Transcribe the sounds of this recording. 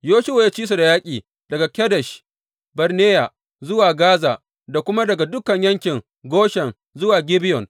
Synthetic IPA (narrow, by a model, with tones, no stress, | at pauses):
joː˦ʃɪ˦wo˨jaː˦t͡ʃiː˦s̬u˨da˨jaː˦kʲʼiː˨ | dɐ˨ɡa˨kʲɛ˦dɛ˨ʃ | bɐ˨ɾneː˦ja˨ | zʊ˦waː˨ɡaː˦zaː˨ | da˨kʷʊ˦ma˦dɐ˨ɡa˨dʊ˦kɐ˨ɲjɐ˦ŋkʲɪ˨ŋ | ɡoː˦ʃɛ˨n | zʊ˦waː˨ɡʲɪ˦bɪ˦jɔ˨n